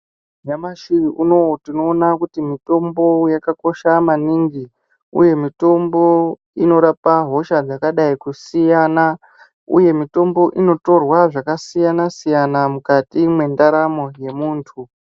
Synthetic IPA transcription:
ɲamaʃiunotino̞ːnakutimito̞mbo̞jakako̞ʃamaniŋɡi | ṵje̞mito̞mbo̞ | ino̞ɾapaɦo̞ʃad͡zakaɗaikusijana | ṵje̞mito̞mbo̞ʔino̞to̞rwaʐakasijanasijanamukatimwe̞ndaɾamo̞je̞muːntʰu

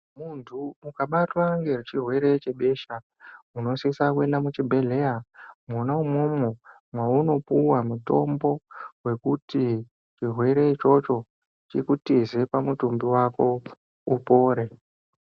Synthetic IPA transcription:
muntʰumukaɓatwaŋɡe̞ret͡ʃirwe̞ɾe̞t͡ʃe̞ɓe̞ʃa | uno̞sisakue̞ndamut͡ʃibʱe̞le̞jamwonaumo̞mo | mwauno̞puwamuto̞̰mbo̞we̞kuti | t͡ʃirwe̞ɾe̞t͡ʃo̞t͡ʃo̞ | t͡ʃikutize̞pamutumbiwako̞ | upo̞ːɾe̞

